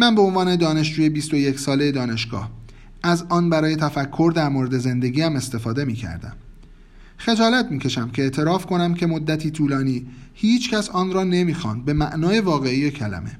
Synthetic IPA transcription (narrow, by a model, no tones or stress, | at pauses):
mænbe̞o̞nvɒːne̞d̪ɒːne̞ʃd͡ʒuːje̞bist̪o̞je̞cʰsɒːlejed̪ɒːne̞ʃɡ̥ɒ̰ːh | æzɒːnbæɾɒːje̞t̪ʰæfækʰːo̞ɾd̪æɾmoːɾe̞d̪e̞ze̞nd̪e̞ɡiːæme̞st̪e̞fɒːd̪e̞miːcʰæ̰ɾd̪æ̰m | xe̞d͡ʒɒːlæt̪ʰmiːcʰe̞ʃæmcʰe̞eʔt̪ʰe̞ɾɒːfkʰo̞næmcʰe̞mod̪ːæt̪ʰiːt̪ʰuːlɒːniːhiːt͡ʃʰcʰæsɒːnrɒːne̞miːxɒ̰ːnd̪̚be̞mæʔnɒːje̞vɒːɣe̞ijecʰælæ̰me̞̰